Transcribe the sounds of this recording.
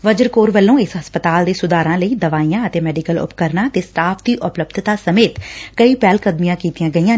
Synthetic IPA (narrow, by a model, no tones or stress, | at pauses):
ʋəd͡ʒəɾkoːɾʋəlːõːɪsɦəspət̪aːld̪eːsʊd̪aːɾãːləiːd̪əʋaːijãːət̪eːmɛːɖikəlʊ̰pkəɾnaːət̪eːsʈaːpʰd̪iːʔʊpləbd̪ʱt̪aːsəmeːt̪kəiːpɛːlkəd̪mijãːkiːt̪ijãːɡəijãː